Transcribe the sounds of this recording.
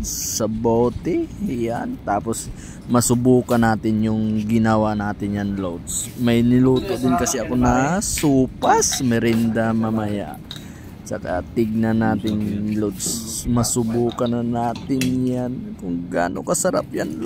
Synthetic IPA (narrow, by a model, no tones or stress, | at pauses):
sɐbowt̪ɛjant̪aːpos | mɐsʊbuːkɐnaːt̪ɪnjʊŋɡɪnɐwanaːt̪ɪnjanlowd̪smɐjnɪluːt̪oʔd̪ɪnkɐsɛʔɐkonɐsuːpasmɛɾɛnd̪ɐmɐmɐja̰ʔ | t͡ʃɐ̰ka̰t̪ɪɡ̚nɐnaːt̪ɪnlod̪smɐsʊbuːkɐnɐnaːt̪ɪnjankʊŋɡa̰ːno̰kɐsɐɾa̰pjanl